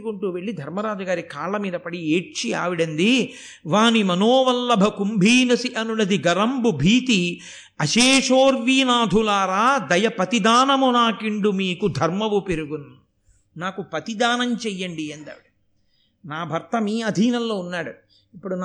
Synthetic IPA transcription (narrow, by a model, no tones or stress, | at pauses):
kuɳʈuːʋe̞ɭːid̪ʱɐɾmɐɾaːd͡ʒɐɡaːɾikaːɭɐmiːd̪ɐpɐɽieːʈt͡ʃia̰ːʋiɽɐnd̪i | ʋaːnimɐnoːʋɐlːɐbʱɐkumbʱiːnɐsiʔɐnunɐd̪iɡɐɾɐmbubʱiːt̪i | ɐʃeːʂoːɾʋiːnaːd̪ʱulaːɾaːd̪ɐjɐpɐt̪id̪aːnɐmunaːkiɳɖumiːkud̪ʱɐɾmɐʋupeɾuɡun | naːkupɐt̪id̪aːnɐmt͡ʃɛjːɐɳɖiɐnd̪a̰ːʋiɽu | naːbʱɐɾt̪ɐmiːɐd̪ʱiːnɐlːoːunːaːɽu | ipːuɽun